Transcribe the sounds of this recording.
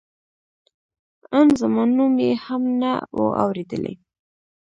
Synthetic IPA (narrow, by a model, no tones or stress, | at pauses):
ənzəmɑnumjehamnawə̰ʔa̰wɾed̪əlʔḛ